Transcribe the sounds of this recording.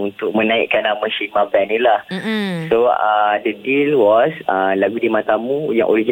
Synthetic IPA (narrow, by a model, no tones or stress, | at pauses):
unt̪ʊk̚mə̃nãḭʔkanamə̃ʃimãbɛnilahsoadədilwɔsalaɡudimãt̪amũjã̰ŋʔo̰ɾid͡ʒi